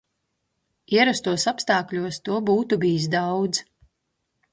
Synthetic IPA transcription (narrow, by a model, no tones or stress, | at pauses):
iɛɾast̪uɔsapst̪aːklʲuɔst̪uɔbuːt̪ubijis̬d̪awd̪z